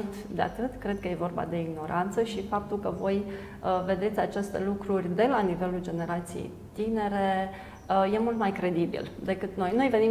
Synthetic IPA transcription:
t̪d̪ea̰t̪ɨt̪kɾe̞d̪̚kəje̞vo̞rba̰d̪e̞iɡno̞ɾʔant̪səʃifap̚t̪ulkəvo̞j | əve̞d̪e̞t̪sʲat͡ʃe̞st̪elukɾurʲd̪e̞lanive̞luld͡ʒe̞ne̞ɾat̪sijḛj | t̪ine̞ɾe̞ | je̞mult̪majkɾe̞d̪ibḭld̪e̞kɨt̪no̞jno̞jve̞ni

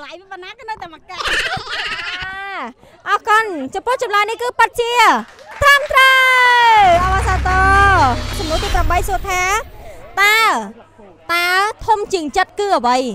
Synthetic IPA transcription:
lajʋiɓanaːkɨːnəwt̪aɛmaka | a | ʔɑkʊnt͡ɕɑmpʊəht͡ɕɑmlanihkɨːpɨt̪̚t͡ɕiət̪rəmt̪rə | ʔɑʋasaːt̪ɑːt͡ɕɑmnuət̪iːpramɓəjsuət̪ʰaːt̪aː | t̪aɛlt̪ʰumt͡ɕiəŋt͡ɕət̪̚kɨːʔəʋəj

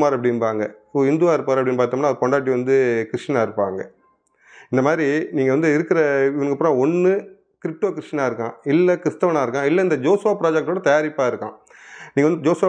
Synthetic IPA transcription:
maːɾɐpːɐɽɪnpaːŋɡɐɪnd̪uʋaːɪɾɯpːaːɾɐpːɐɽɪnːpaːɾt̪aːmnaːðpɔɳɖaːʈ̬ːiʋɐnd̪ɯkɪɾɪʂʈɐnaːɪɾɯpːa̰ːŋɡɐ | ɪnd̪ɐmaːd̪ɾiniːŋɡɐʋɐnd̪ɯɪɾɯkːɪɾɐʋɐnɯkːɐpːɯɾãːɔɳːɯ | kɪɾɪp̚ʈoːkɪɾɪʂʈɐnaːɪɾɯkːãːɪlːɐkɪɾɪst̪ɐʋɐnaːɪɾɯkːãːɪlːɐɪnd̪ɐd͡ʒoːsʊʋaːpɪɾaːd͡ʒɛk̚ʈːoːɽɐt̪ɐjaːɾɪpːaːɪɾɯkːã̰ː | nĩːŋɐd̪ɯd͡ʒoːsʊʋaː

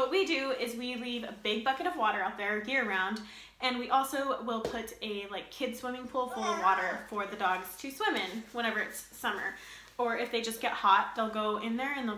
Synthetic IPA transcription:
wʌt̚widɨɪzwilivɨ̰bɪɡ̚bʌkɨɾʌvwɔɾə˞aʊt̪̚ðə˞jɪɹɨ˞ãʊ̃nd | ɨ̃nwiʔɔlˠsoʊwɪlˠpʰʊɾɨlaɪkʰːɪd̥swɪ̃mɪ̃ŋpʰulˠfʊlˠʌvwɔɾə˞fə˞ðɨdɔɡz̥tʰɨswɪ̃mɪ̃nwə̃ɾ̃ɛvə˞ɨtsːʌmə̰˞ | ə˞ɨfðeɪd͡ʒʌsɡ̥ɛt̚hɑt̚ðeɪlˠɡoʊɪ̃nðə˞ɨ̃nð

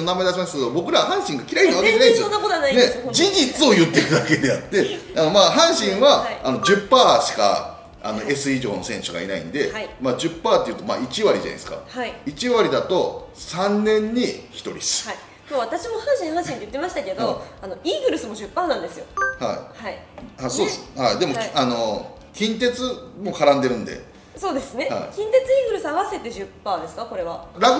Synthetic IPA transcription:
onamaed̪aɕimasɨ̥ke̞d̪o̞bo̞kɯɾaβaɦãɰ̃ɕĩŋɡakʲiɾainnoakeenadesjonːakot̪oanained͡ʑiɲd͡ʑit͡sɨo̞jɯ̟t̪ːe̞ɾɯd̪ake̞d̪e̞at̪ːe̞ano̞maːɦãɰ̃ɕĩɰ̃βaːno̞ʑɨpːaːɕi̥ka̰ | a̰no̞e̞sɨiʑo̞̰ːno̞sẽ̞ɕɨɡa̰ḭna̰ḭ̃nd̪e̞imaːd͡ʑɨpːaːt̪ːe̞jɯːt̪o̞ma̰ːit͡ɕiβaɾʲḭʑa̰n̰d̪esɨ̥ka̰haiit͡ɕiβaɾʲid̪at̪o̞sãnːẽ̞ɲ̟ːiçi̥t̪o̞̰ɾʲḭsɨ̥ai | t̪oβat̪aɕimo̞hãɰ̃ɕĩhɦãɕiɲt̪ijɯ̟t̪ːe̞maɕi̥t̪ake̞d̪oano̞iːɡɯ̟ɾɯ̟sɨmo̞ɕɨpːaːnãnd̪e̞sɨjo̞ha̰ḭhaihasoːhaid̪e̞mo̞kʲano | kʲĩnt̪e̞t͡sɨmo̞kaɾãnd̪e̞ɾɯ̟̃nd̪ḛ | so̞ːd̪e̞sɨne̞ha̰ikʲĩnt̪e̞t͡sɨiːɡɯ̟ɾɯ̟sɨaβase̞t̪e̞ʑɨpːaːd̪e̞sɨ̥kako̞ɾe̞βaɾaɡ

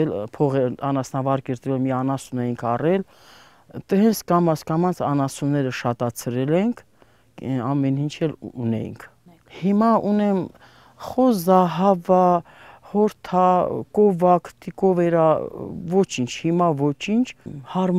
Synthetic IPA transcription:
ɛlpʰɔʁɛɑnɑsnɑvɑɾkɛɾt̪əvɛlmiɑnɑsunɛjiŋkʰɑrɛl | t̪əɦɛnt͡sʰkɑmɑsʰkɑmɑnt͡sʰɑnɑsunːɛɾəʃɑt̪ɑt͡sʰɾɛlɛŋkʰ | ɑmɛnint͡ʃʰɛlunɛ̰jḭŋkʰ | himɑʔunɛm | χɔzɑɦɑvɑ | hɔɾt̪ʰɑkɔvɑkʰt̪ikɔvɛɾɑvɔt͡ʃʰint͡ʃʰhimɑvɔt͡ʃʰint͡ʃʰhɑɾm

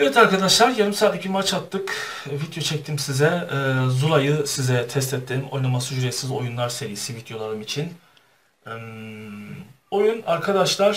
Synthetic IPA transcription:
ɛvɛt̪ʰaɾkad̪aʃlˠaɾjaɾɯmsaːd̪ecbimat͡ʃat̪ːɯk | vid̪jo̞t͡ʃʰɛc̚t̪ʰimsizɛzulˠajɯsizɛt̪ʰɛst̪ʰɛt̪ʰːimo̞̰jnamasuʒyɾesizo̞̰junlˠaɾse̞ɾijisivid̪jo̞lˠaɾɯmit͡ʃʰin | m | o̞junaɾkʰad̪aʃlˠaɾ

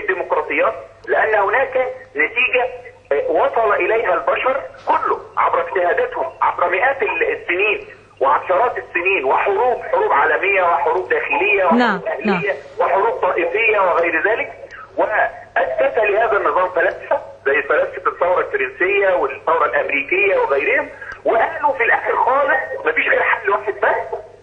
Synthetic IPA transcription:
d̪ːiːmoqɾˤɑːt̪ˤejːɑːt̪̚lɪʔænːhʊnæːkænæt̪iːɡæ | wɑsˤɑlɑʔɪlæjɦælbæʃɑɾˤkʊlːʊʕa̰bɾɑkt̪ɪhæːd̪æt̪hʊmʕa̰bɾˤɑmɪʔæːt̪sːɪniːn | wɪʕaʃɑɾˤɑːt̪ɪsːɪniːnwɪħoɾuːbħoɾuːbʕaːlæmɪjːæwɪħoɾuːb̚d̪æːxɪlɪjːæwɪħɾuːbʔæhlɪjːæweħoɾuːb̚t̪ˤɑːʔɪfɪjːæweɣæjɾzæːlɪk̚ | wɪʔæst̪æfælɪhæːðænːɨzˤɑːmfælænsæzæjːɪlfælæːssɪt̪eθˤːɑwɾˤɑlfeɾɪnsejːæwɪθːɑwɾˤɑlʔæmɾiːkɪjːæweɣæjɾɪhemwɪʔæhlufilʔæxɪɾxɑːlesˤmæfiːʃɣæːɾħadlwaːħed̪̚bæ

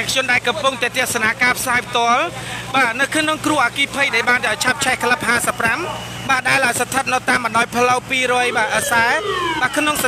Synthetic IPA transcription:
kʰjʊ̆ənɗaɛlkɑmpuŋt̪aɛt̪ɛ̆əsanaːkaːpʰsaːpʰt̪ŏəlɓaːnɨwkʰnoŋkruəhʔaːkiːpʰəj̚ɗaɛlɓaːnʔat͡ɕʰap̚t͡ɕʰɛhkʰələp̚haːsəpːram | ɓaːɗaɛlʔaɔjsat̪ʰət̪̚nət̪aːmɓɑnɗaːjpʰləwpiːɾɔəjɓaːʔəsaɛɓaːkʰnoŋs

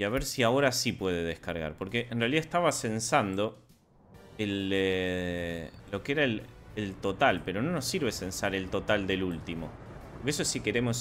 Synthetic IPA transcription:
iaβ̞eɾsiao̞ɾasipwe̞ðe̞ðehkaɾɣa̰ɾpo̞ɾkeʔenrealiðaehst̪aβase̞nsand̪o̞ | ele | lo̞keeɾaelelt̪o̞t̪alpe̞ɾo̞no̞nosːiɾβ̞ese̞nsaɾe̞lt̪o̞t̪ald̪e̞lult̪imo̞̰ | poɾkesosike̞ɾemos

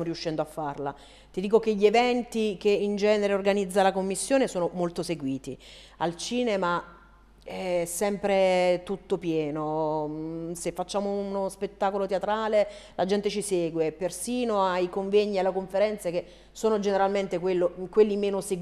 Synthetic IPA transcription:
moɾiuʃːɛnd̪oafːarla̰ | t̪id̪iːkokeʎːevɛnt̪ikeind͡ʒɛːneɾeorɡanid̪zːalakomːisːjoːnesoːnomolt̪oseɡwiːt̪ḭ | alt͡ʃiːnema | ɛsːɛmpɾet̪ut̪ːopjɛːno | sefːat͡ʃːaːmounospet̪ːaːkolot̪eat̪ɾaːlelad͡ʒɛnt̪et͡ʃisɛːɡwepːersiːnoaikoɱveɲːielːakoɱfeɾɛnt̪seke | soːnod͡ʒeneɾalment̪ekwelːokwelːimeːnose

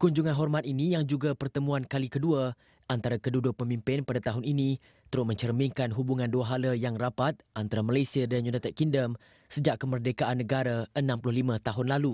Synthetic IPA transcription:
kuɲd͡ʒuŋanɦɔrmat̪̚inijaŋd͡ʒuɡapərt̪əmũankalikədua | ʔant̪aɾakədudʊʔ̚pəmimpɪnpadat̪aɦʊninĩ | t̪əɾʊmə̃ɲt͡ʃərmĩŋkanɦubuŋãnduaɦaləjaŋrapat̪̚ʔant̪aɾamalajsiadanjunat̪ɛt̪̚kindəm | səd͡ʒaʔkəmərdekaʔanːəɡaɾaənãmplʊhlimãt̪aɦʊnlalu

